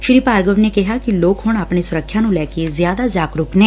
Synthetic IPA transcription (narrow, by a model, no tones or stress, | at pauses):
ʃɾiːpaːɾɡəʋneːkɪɦaːkiloːkhʊɳapɳeːsʊɾəkʰːjãːnũːlɛːkezjaːd̪aːzaːkɾʊːknɛ̃ː